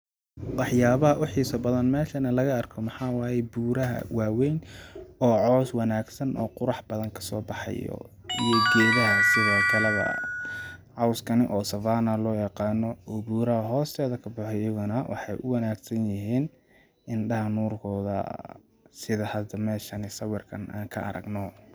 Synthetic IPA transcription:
wɑħjaːβɐɦɐʔʊħiːsɐbɐðɐnmɛːʃɐnɐlɐɣɐɐrkʰɔmɑħɑːwaːjɛbuːɾɐɦɐ̰waːwɛjnɔːʕɔːswɑnaːɡsɐnʔɔ̰ːqʊɾɑħb̥ɐðɐŋkʰɐ̥sɔːbɑħɑ̰jɔ̰ | ijɔɡɛːðɐɦɐsɪðɐːt̪ʰɐlɐɣɐ̰ | ʕɑwskʰɐnɪʔɔːsɐfaːnɐlɔːjɑqɑːnːɔɔːbuːɾɐhɐɦɔːst̪ʰɛːðɐkʰɐbʊħɛjɐɣʊnɐwʔɑ̰ħɑ̰jʔʊwɐnaːɡsɐnjɪɦiːn | ɪnɖɐɦɐnuːrkʰɔːðɐ̰ | sɪðɐhɐd̪ɐmɛːʃɐnɪsɐwɪrkʰɐnʔa̰ːŋkʰɐʔɐ̰ɾɐ̰ɡnɔ

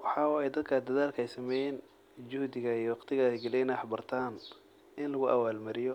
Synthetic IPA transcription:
wɑħɑɛjd̪ɐd̪kʰɐd̪ɐðaːlkʰɐɛjsɐmɛjɛːn | d͡ʒʊhd̪ɪɣɐiwɑqt̪ʰɪɣɐɛɡɐlɛjnɐħbɐrt̪ʰaːn | ʔɪnlɐɣʊʔɐwaːlmɐɾɪjɔ

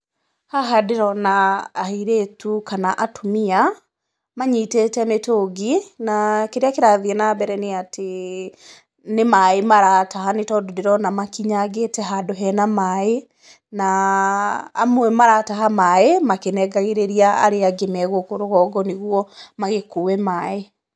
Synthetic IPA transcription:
haɦadeɾɔnaːhiɾetʰukanaʔatʰomia | maɲiteːtɛmetoɡinakeɾeakeɾaðiɛnabɛɾɛneatʰe | nemaemaɾataɦanetɔdodeɾɔnamakiɲaɡetɛɦadoɦɛnamae | na̰ː | mwɛmaɾataɦamaemakenɛɡaɣeɾeɾiaa̰ɾeaɡemɛɣokoɾoɣɔːɡɔneɣuɔmaɣekowɛmaːe

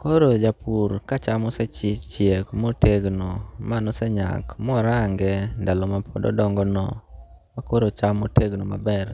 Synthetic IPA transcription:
koɾod͡ʒapʰuɾkat͡ʃamɔsɛt͡ʃɪt͡ʃjekmoteɡnomanɔsɛɲa̰kmɔɾaŋɡɛndalɔmapʰo̰dɔ̰dɔŋɡɔnɔ | makoɾot͡ʃamoteɡnoma̰bɛr

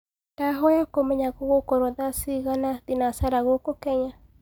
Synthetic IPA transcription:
taɦɔjakomɛɲaɣoɣokɔɾɔðasiɣanaðinasaɾaɣokokɛɲa

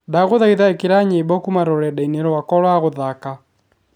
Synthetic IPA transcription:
daɣoðaiðaekeɾaɲebɔkumaɾɔɾɛdaineɾɔwakɔɾwaɣoðaka

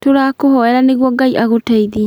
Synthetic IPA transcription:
toɾaːkohɔɛɾaneɣwɔɡaiʔaɣotɛiði

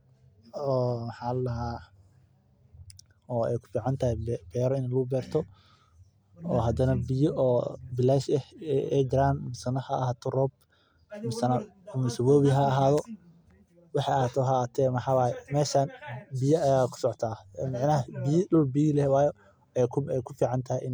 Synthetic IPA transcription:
ɔːmɐħaːlɐɦaː | ɔːɛjkʰʊ̥fiːʕɑnt̪ʰɐhɛbɛːɾɔɪnɛlʊɡʊbɛːrt̪ʰɔ | ɔːɦɐd̪ɐnɐbɪjɔʔɔːbɪlɛːʃɛhɛ̰jd͡ʒɪɾaːnmɪsɐnɐhɐɐhaːt̪ʰɔrɔːb̚ | mɪsɐnɐ | kʊmɪsɪβɔːβɪɦɐɐɦaːðɔ | wɑħɑɐhaːt̪ʰɔɦɐaːt̪ʰɛːmɐħaːwaːjɛmɛːʃaːnbɪjɐɐjaːkʰʊ̥sɔʕt̪ʰaːmɑʕnɐɦɐbilʊlbijlɛwɑːjɔ | ɛkʰɛjkʰʊfiːʕɑnt̪ʰɐhʔɪn

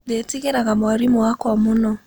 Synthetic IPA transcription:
detiɣeɾaɣamaɾimuwakɔmunɔ

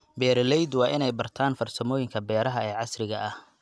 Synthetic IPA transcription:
bɛːɾlɛjd̪wɑːʔɪnɛjbɐrt̪ʰaːnfɐrsɐmɔːjɪŋkʰɐbɛːɾɐɦɐɛːʕɑsrɪɣɐʔɐh

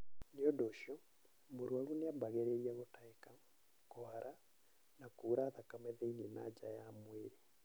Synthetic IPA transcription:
neɔdoːʃɔ | moɾwaɾuneabaɣɛɾeɾiaɣotaeka | kɔaɾa | nakuːɾaðakamɛðɛinenad͡ʒajamweɾe

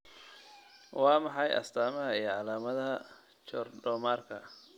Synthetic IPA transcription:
wɑːmɑħɑjʔɐ̰st̪ʰaːmɐɦɐijɔʕɑlaːmɐðɐɦɐ | t͡ʃɔrɖɔːmaːrkʰɐ

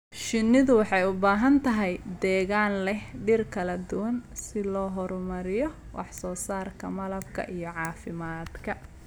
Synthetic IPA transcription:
ʃɪnːɪðʊwɑħɑjʊbaːɦɐnt̪ʰɐɦɛjd̪ɛːɣaːnlɛhɖɪrkʰɐlɐd̪ʊwɐnsɪlɔːɦɔɾʊmɐɾɪjɔwʔɑ̰ħsɔːsaːrkʰɐmɐlɐbkʰɐ̰ʔijɞʕɑːfɪmaːd̪kʰɐ

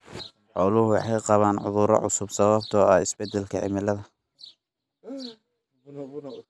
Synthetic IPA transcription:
ħɔːlʊhʊwɑħɑjqɑβaːnʕʊ̰ðʊɾɔ̰ʕʊsʊbsɐβɐb̚t̪ʰɔːɐhɪsbɛd̪ɛlkʰɐʕɪ̰mɪlɐðɐ

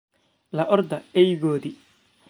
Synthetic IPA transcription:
lɐʔɔrd̪ɐɛjɣoːði

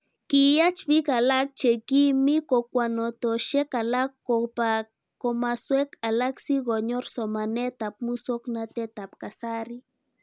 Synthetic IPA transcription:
kijat͡ʃpikalak̚t͡ʃekimikokʷanot̪oʃekalakːopa | komaswekalaksiɣoɲoɾsomanet̪ap̚musoknat̪et̪apkasaɾi

